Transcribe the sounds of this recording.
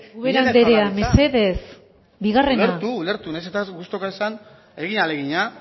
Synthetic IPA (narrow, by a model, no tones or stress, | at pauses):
uβeɾand̪eɾeamese̞ðe̞s | biɣare̞nɾat̪uːleɾt̪unajset̪aɡust̪okaisan | e̞ɣiɲaleɣiɲa